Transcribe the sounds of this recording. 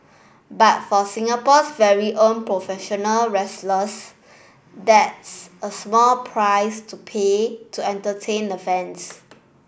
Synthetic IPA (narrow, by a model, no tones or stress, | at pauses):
bat̚fɔsĩŋəpɔsvɛɹiʔõnpɹofɛʃɔnəlɹɛsləs | dɛtsəsmɔlpʰɹaɪstupʰetʰuɛ̃ntətʰẽndəfɛ̃ns